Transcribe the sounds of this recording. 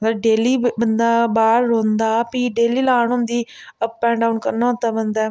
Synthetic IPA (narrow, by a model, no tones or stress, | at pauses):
ɡəɾɖeːliːbənd̪aːbaːɾːõːnd̪aːpiːɖeːliːlaːɳõnd̪iː | əppːɛ̃ːɖaːunkəɾnãːt̪aːbənd̪aː